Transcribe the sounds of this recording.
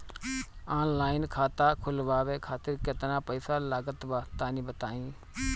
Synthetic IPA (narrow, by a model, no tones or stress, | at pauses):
aːnlaːɪnkʰaːt̪aːkʰʊlʋaːʋeːkʰaːt̪ɪɾkɪt̪nãːpəisaːlaːɡət̪baːt̪aːnĩːbət̪aːĩː